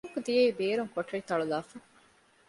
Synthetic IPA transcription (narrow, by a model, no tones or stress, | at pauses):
kːud̪ijeibeːɾuŋkoʈːɐɭit̪ɐɭulaːfɐ